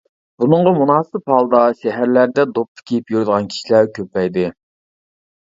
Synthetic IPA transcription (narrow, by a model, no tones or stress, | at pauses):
b̥unɨɴʁɑmunɑːsɨphɑlˠd̪ɑʃɛɦæɾlæɾd̪ɛd̪op̚t̪ʰːə̥kʲʰejipjyɾd̪əʁɑnkʲʰi̥ʃilæɾkʲʰøpɛjd̪ɪ